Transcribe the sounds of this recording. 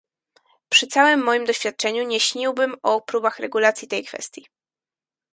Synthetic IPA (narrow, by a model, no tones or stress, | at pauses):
pʂɘt̪sawɘmːɔjimd̪ɔɕfʲjat̪̚t͡ʂɛɲuɲɛɕɲiwbɘmɔpɾubaxɾɛɡulat̪sʲjit̪ɛjkfɛ̰st̪ʲji